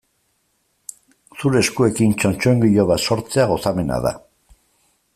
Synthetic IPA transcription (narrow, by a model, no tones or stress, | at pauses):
suɾeːskue̞kint͡ʃo̞nt͡ʃoeŋɡiʎoβaso̞ɾt͡seaɣo̞same̞na̰ða̰